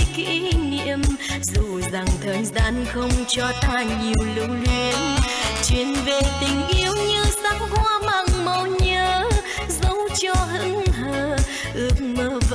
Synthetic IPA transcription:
kḭ˧˥nḭ˧˥əmzu˨˩za˨˩ŋt̪ʰəː˨˩jzaː˧˥nxə˧wŋ͡mt͡ɕɔ˧t̪aː˧˩ɲi˨˩əwlɨ̰˧˥wlwi˧ənt͡ɕwi˧˩˦ənve˨˩t̪ï˨˩ŋ̟ʔi˧˦əwɲɨ˧sa˦˥k̚hwaː˧ma˨˩ŋmə˧˩wɲəː˧˦ | zə˨˧˦wt͡ɕɔ˧ɦɨ˧˥əŋɦəː˧˩ | ʔɨ˧˦˥ək̚məː˧˦v

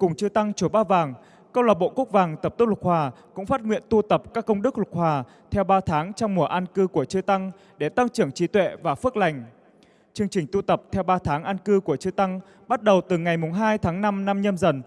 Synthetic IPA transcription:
kʊ˨˩ŋ͡mt͡ɕɨ˧t̪a˧ŋt͡ɕu˧˩ɓaː˧vaː˨˩ŋ | kə˧wlaː˨˩t̚ɓo̰˧˨ku˦˥k̚vaː˨˩ŋt̪ə˨˩p̪̚lwk̚hwaː˨˩kʊ̰˧˥ŋ͡mfaː˦˥t̚ŋwḭ˧˨ənt̪u˧t̪ə˨˩p̚kaː˦˥kːə˧wŋ͡mɗɨ˦˥k̚lʊ˨˩k̚hwaː˨˩ | t̪ʰɛ˧wɓaː˧t̪ʰaː˨˦ŋt͡ɕɔ˧wŋ͡mmu˧˩əʔa˧nkɨ˧ku˧˩ət͡ɕɨ˧t̪a˧ŋ | ɗe˧˩t̪a˧ŋt͡ɕɨ˧˩əŋt͡ɕi˨˦t̪wḛ˧˨vaː˨˩fɨ˦˥ək̚la˨˩jŋ̟ | t͡ɕɨ˧əŋt͡ɕï˨˩ŋ̟t̪u˧t̪ə˨˩p̚t̪ʰɛ˧wɓaː˧t̪ʰaː˨˦ŋʔa˧nkɨ˧ku˧˩ət͡ɕɨ˧t̪a˧ŋ | ɓa˦˥t̚ɗə˨˩wt̪ɨ˨˩ŋa˨˩jmʊ˨˩ŋ͡mɦaː˧jt̪ʰaː˨˦ŋna˧mna˧mɲə˧mzə˨˩n

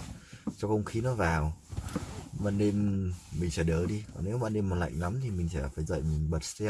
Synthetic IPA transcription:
t͡ɕɔ˧xə˧wŋ͡mxi˨˦nɔ˨˦vaː˨˩w | ɓa̰ː˧˨nɗe˧mmï˨˩ŋ̟t͡ɕəː˧˩ɗəː˧˩ɗi˧ɔ˨˩ne˨˦wɓa̰ː˧˨nɗe˧mɔ˨˩la̰˧˨jŋ̟la˨˦mt̪ʰi˨˩mï˨˩ŋ̟t͡ɕɛː˧˩faː˧˩jzə̰ː˧˨jmï˨˩ŋ̟ɓə˨˩t̚st̪ɛ˧

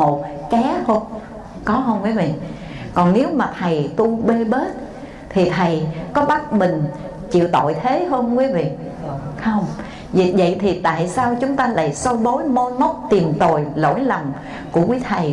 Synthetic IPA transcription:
mo˨˩t̚kɛ˨˦ho˧ŋ͡m | kɔ˨˦ɦə˧wŋ͡mkwiː˨˦vḭ˧˨ | kɔ˨˩nne˨˦wmaː˨˩t̪ʰə˨˩jt̪u˧ɓe˧ɓe˦˥t̚ | t̪ʰi˨˩t̪ʰə˨˩jkɔ˨˦ɓa˦˥t̚mï˨˩ŋ̟ | t͡ɕḭ˧˨əwt̪o̰˧˨jt̪ʰe˨˦ɦəː˧nkwi˨˦vḭ˧˨ | xə˧wŋ͡m | vi˨və̰˧˨jt̪ʰi˨˩t̪a̰ː˧˨jsaː˧wt͡ɕʊ˨˦ŋ͡mt̪aː˧la̰ː˧˨jsə˧wɗo˨˦jmo˧mə˦˥wk͡p̚t̪i˨˩mt̪o˨˩jlo̰˧˥jlə˨˩wŋ͡m | ku˧˩əkwi˨˦t̪ʰə˨˩j

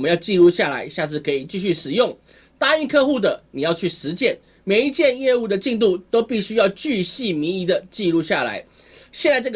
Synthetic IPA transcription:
mə˦jɑ˥˧ʊt͡ɕi˥˧lu˥˧ɕja˥˩la̰˧˥ɪɕja˥˧t͡sʰɹ̩˥˩kʰɤ˧˥i˨˩t͡ɕi˥˧ɕy˥˩ʂɻ̩˨˩jʊ˥˩ŋ | t̪a˥y˥˧kʰɤ˥˧xu˥˩d̪ə˩ni˨˩jɑ˥˧ʊt͡ɕʰy˥˩ʂɻ̩˧˦˥t͡ɕjɛ˥˩n | me˨˩ɪi˧˦˥t͡ɕjɛ˥˧njɛ˥˧u˥˩d̪ə˩t͡ɕi˥˧ŋt̪u˥˩t̪o˥ʊpi˥˩ɕy˥jɑ˥˧ʊt͡ɕy˥˧ɕi˥˩mi˧˥i˧˥d̪ə˨t͡ɕi˥˧lu˥˧ɕja˥˩la̰˧˥ɪ | ɕjɛ˥˧nt͡sa˥˧ɪʈ͡ʂɤ˥˩ɡ

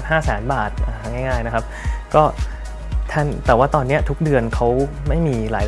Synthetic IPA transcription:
t̚haː˥˩sɛː˩˦nbaː˨˩t̪̚ʔaː˨˩ŋaː˥˩jŋaː˥˩jna˦˥kʰa˦˥p̚kɔː˥˩ | t̪ʰa˥˩nt̪ɛː˨˩waː˥˩t̪ɔː˧nːi˦˥ɐt̪ʰu˦˥k̚dɯ˧ənkʰa˦˥w | ma˥˩jmiː˧la̰ː˩˦j

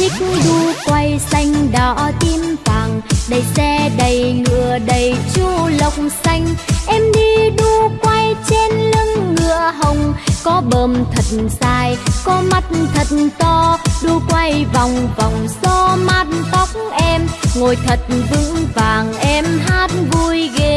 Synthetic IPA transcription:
t͡ɕï˦k̚ɗu˧kwa˧jsa˧jŋ̟ɗaː˧˩t̪i˧mvaː˨˩ŋɗə˧˩jsɛ˧ɗə˧˨˩jŋɨ̰˧˨əɗə˨˩jt͡ɕu˧lə˨˩wk͡p̚ŋ͡msa˧jŋ̟ʔɛ˧mɗi˧ɗu˧kwa˧jt͡ɕe˧nlə˧ŋːɨ̰˧˨əɦə˨˩wŋ͡mkɔ˨˦ɓəː˨˩mt̪ʰə˨˩t̚nzaː˧˩jkɔ˨˦ma˦˥t̚nt̪ʰə˨˩t̚nt̪ɔ˧ɗu˧kwa˧jva˨˩wŋ͡mva˨˩wŋ͡msɔ˧maː˦˥t̚nt̪a˨˦wk͡p̚ŋ͡mʔɛ˧mŋo˨˩jt̪ʰə˨˩t̚vɨ˧˥ŋvaː˨˩ŋʔɛ˧mɦaː˦˥t̚vu˧jɣe˧

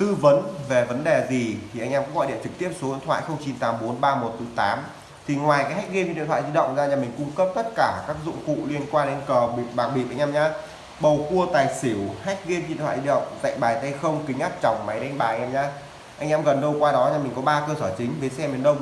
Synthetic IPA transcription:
t̪ɨ˧və˨˦nve˨˩və˨˦nɗe˨˩zi˨˩t̪ʰi˨˩ʔa˧jŋ̟ʔɛ˧mkɔ˨˦ɣɔ̰˧˨jɗḭ˧˨t͡ɕɨ˨˩k̚t̪i˦˥əp̚so˨˦vi˧˨nt̪ʰwa̰ː˧˨jxə˧wŋ͡mt͡ɕi˨˧nt̪aː˨˦mɓo˨˦nɓaː˧mo˨˩t̚t̪ɨ˨˦t̪aː˨˦m | t̪ʰi˨˩ŋwaː˨˩jkaː˨˦jɦa˦˥jk̚ɣi˧m˧˨ḭ˨˧˨t̪ʰa̰ː˧˨zi˧ɗə̰˧˨wŋ͡mzaː˧ɲaː˨˧˩mï˨˩ŋ̟kʊ˧ŋ͡mkə˦˥p̚t̪ə˦˥t̚kaː˧˩kaː˦˥k̚zʊ̰˧˨ŋ͡mkṵ˧˨li˧ənkwaː˧nɗe˨˧nkəː˨˩ɓi˨˩ɓaː˨˩k̚ɓi˨˩p̚ʔa˧jŋ̟ʔɛː˧mɲaː˧ | ɓə˨˩wku˧ət̪aː˨˩jsi˧˩wha˦˥jk̟̚ɣi˧mvḭ˧˨nt̪ʰwa̰ː˧˨zi˧ɗə̰˧˨wŋ͡mt̪a̰ː˧˨jɓaː˨˩jt̪ə˧jxə˧wŋ͡mkï˨˦ŋ̟ʔaː˦˥p̚t͡ɕɔ˨˩wŋ͡mma˨˦jɗɛ˧ŋɓaː˨˩˨ʔɛː˧ɲaː˧˥ | ʔa˧jŋʔɛː˧mɣə˨˩nɗə˧wkwaː˧ɗɔ˨˦ɲaː˧˩mï˨˩ŋ̟kɔ˨˦ɓaː˧kəː˧səː˧˩t͡ɕï˨˦ŋ̟vəː˨˦jsɛ˧mi˨˩nɗə˧wŋ͡m

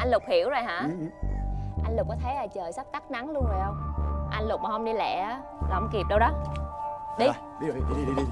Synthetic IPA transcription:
ʔa˧n̟lʊ˨˩k͡p̚hi˧˩əwzoː˨˩jɦa̰ː˧˥˨ʔa˧jnlʊ˨˩k͡p̚kɔ˨˦t̪ʰe˨˦laː˨˩t͡ɕəː˨˩jsa˦˥k̚t̪a˦˥k̚na˨˦ŋlu˧ənzoː˨˩jhə˧wŋ͡mʔa˧n̟lʊ˨˩k͡p̚ma˨˩ə˧wŋ͡mɗi˧lɛ̰˧˨aː˨˦ | la̰˧wŋ͡mki˨˩əp̚ɗə˧wɗɔ˨˦ | ɗi˧˦˨ | ɗi˨˧˦

